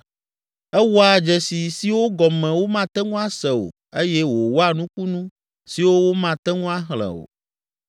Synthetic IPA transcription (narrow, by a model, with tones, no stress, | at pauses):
ɛ˦wo˦a˨d͡ʒɛ˨si˨si˦wo˦ɡɔ˨mɛ̃˨wo˦mã˦t̪ɛ˦ŋũ˦a˦sɛ˨wo̰˨ | e˦jɛ˦wo˨wo˦a˦nũ˦ku˦nũ˦ | si˨wo˦wo˦mã˦t̪ɛ˦ŋũ˦a˦ɦlɛ̰˨o̰˨